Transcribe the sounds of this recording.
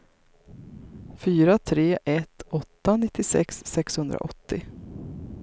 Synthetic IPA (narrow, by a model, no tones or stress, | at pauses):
fyːɾat̪ʰɾeːʔɛt̪ɔt̪ːanɪt̪ːɪsɛ̰ksːɛkshɵnd̪ɾa̰ʔɔt̪ːɪ